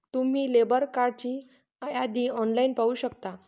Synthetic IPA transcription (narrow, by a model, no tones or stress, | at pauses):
t̪um̤iːlebəɾkaɾɖ̚t͡ɕiː | əjad̪iːɔnlainpauːɕəkt̪a